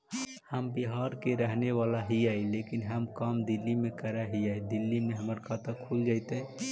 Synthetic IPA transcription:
həmbiɦaɾkeɾəɦneʋalaɦiajlekinɦəmkamd̪ilːimekəɾaɦiajd̪ilːimeɦəməɾkʰat̪əkʰuld͡ʒaɪt̪ə

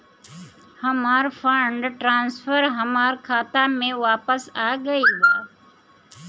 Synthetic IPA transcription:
hɐmaːɾfəɳɖʈɾãːnsfəɾɦəmaːɾkʰaːt̪amẽʋaːpəsaːɡəiːbaːd̪

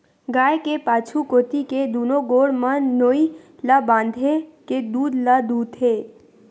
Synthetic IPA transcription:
ɡaːekepaːt͡ʃʰukoːt̪iked̪uːnoɡoːɽmənoːi | labãːnd̪ʱeked̪uːd̪lad̪uːd̪ɦeː

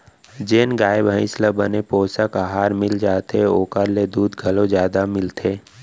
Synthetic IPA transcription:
d͡ʒeːnɡaːɪbɦə̃ɪ̃slabənepoːsəkaɦaːɾmɪld͡ʒaːt̪eoːkəɾled̪uːd̪ɡʱəlõd͡ʒjaːd̪amɪlt̪ʰeː

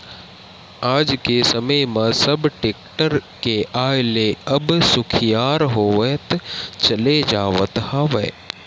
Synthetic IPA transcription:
aːd͡ʒkesɐməmãsɐbʈeːk̚ʈəɾkeʔaːɪleɐbsʊkʰijaːɾɦoːʋət̪t͡ʃɐled͡ʒaːʋə̰t̪haːʋə

